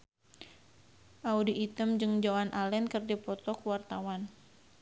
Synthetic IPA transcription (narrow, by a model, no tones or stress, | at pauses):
ʔaudiʔːt̪əmd͡ʒɨŋd͡ʒawanʔalɛnkərdipɔt̪ɔkuwart̪awan